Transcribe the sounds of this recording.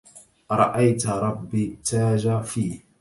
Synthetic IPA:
ɾˤɑ̰ʔajtaɾˤɑbːitaːd͡ʒafiːh

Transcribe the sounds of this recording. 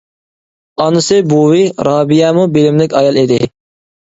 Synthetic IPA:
ɑnɨsɨbuwiɾɑːbijɛmubilɪmlɪkʲɑjɑlˠed̪ɪ

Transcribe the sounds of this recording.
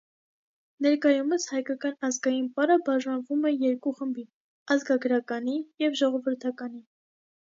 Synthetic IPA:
nɛɾkɑjuməshɑjkɑkɑnɑzɡɑjinpɑɾəbɑʒɑnvumɛjɛɾkuχəmbi | ɑzɡɑɡəɾɑkɑnijɛvʒɔʁɔvəɾt̪ʰɑkɑni

